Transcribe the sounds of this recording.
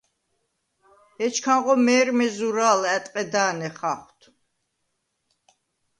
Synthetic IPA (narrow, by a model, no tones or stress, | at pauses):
ɛt͡ʃʰkʰanʁɔmɛːɾmɛzuɾaːlɛt̪ʼqʼɛd̪aːnɛχaχwt̪ʰ